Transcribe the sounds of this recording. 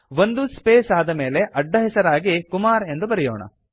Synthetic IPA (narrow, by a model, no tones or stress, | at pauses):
ʋo̞nd̪uspeːsaːd̪ɐme̞ːle̞ʔɐɖːɐɦɛsɐɾaːɡikumaːɾe̞nd̪ubɐɾɛjɔ̰ːɳɐ̰